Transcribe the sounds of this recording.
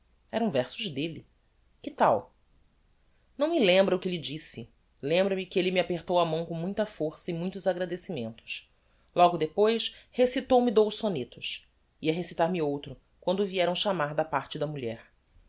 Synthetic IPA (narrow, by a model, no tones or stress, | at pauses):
ɛɾɐ̃w̃vɛɾsʊʒd̪eli | kɪt̪aw | nɐ̃w̃mɪlẽmbɾɐukɪlid͡ʒisɪ | lẽmbɾɐmɪkɪelɪmiapeɾt̪owɐmɐ̃w̃kõw̃mũj̃t̪ɐfoɾsɐimũj̃t̪ʊzaɡɾad̪esimẽnt̪ʊ̥ʃ | lɔɡʊd̪epojʃhesit̪owmɪd̪owʃsõnet̪ʊʃ | iɐɦesit̪aɾmɪowt̪ɾʊ | kwɐ̃nd̪ʊviɛɾɐ̃w̃ʃamaɾd̪ɐpaɾt͡ʃɪd̪ɐmuʎɛɾ